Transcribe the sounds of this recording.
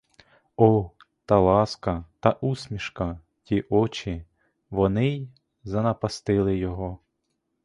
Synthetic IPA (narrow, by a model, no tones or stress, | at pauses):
ɔ | t̪ɐlˠɑskɐt̪ɑʔusʲmʲiʃkɐ | tʲiʔɔt͡ʃi | ʋɔnɪj | zɐnɐpɐst̪ɪlˠɪjɔɦɔ